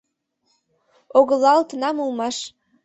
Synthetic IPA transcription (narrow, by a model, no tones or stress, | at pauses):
oɣəlɑlt̪ənɑmulmɑʃ